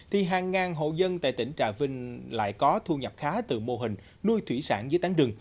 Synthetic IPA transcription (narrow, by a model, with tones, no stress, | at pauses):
t̪ʰi˨˩ɦaː˨˩ŋːaː˨˩nɦo̰˧˨zə˧nt̪a̰ː˧˨jt̪ï˧˩ŋ̟t͡ɕa̰ː˧˨˩vi˧ŋ̟la̰ː˧˨jkɔ˨˦t̪ʰu˧ɲə˨˩p̚xaː˨˦t̪ɨ̰˧˩mo˧˩ɦï˨˩ŋ̟ | nu˧jt̪ʰwi˧˩saː˧˩nzɨ˨˦jt̪aː˨˦ŋɗɨ˨˩əŋ